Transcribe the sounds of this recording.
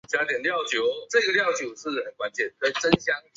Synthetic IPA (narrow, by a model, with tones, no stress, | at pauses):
t͡ɕja˧˥t̪jɛ˨˩nljɑ˥˨ʊt͡ɕjo˧˥ʊʈ͡ʂɤ˥˧ɡə˨ljɑ˥˨ʊt͡ɕju˨˩ʂɻ̩˥˩hə˨˩nkwa˦nt͡ɕjɛ˥˩nkə˥˩ʈ͡ʂə˦nɕjɑ˥˦ŋ